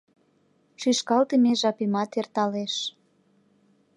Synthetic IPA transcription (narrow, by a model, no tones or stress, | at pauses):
ʃyʃkɑlt̪əmeʒɑpimɑt̪ert̪ɑleʃ